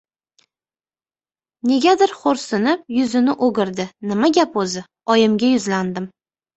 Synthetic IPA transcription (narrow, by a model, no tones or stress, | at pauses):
ne̞ɡʲad̪ɪɾχoɾsɪnɪp̚jʊzɪnɪʔoɡʲɪɾd̪ɪnɪmaɡʲapɵzɪ | ɒjɪmɡʲajʊzland̪ɪm